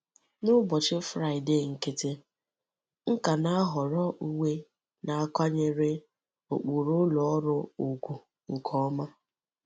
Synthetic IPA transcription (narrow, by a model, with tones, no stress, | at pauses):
nʊ˦bɔ˨t͡ʃɪ˦fɾa˦ɪ˨de˦˨ŋ̩˨ke˨tɪ˦ | ŋ̩˦ka˨na˦a˦ɦɔ˨ɾɔ˦ʔu˦we˦ | na˨a˦ka˦ɲe˦ɾɪ˦ | o̰˨k͡pu˨ɾʊ˦lɔ˨ɔ˦ɾʊ˦ʊ˨ɡʷu˨ | ŋ̩˨kʰɔ˦ma˦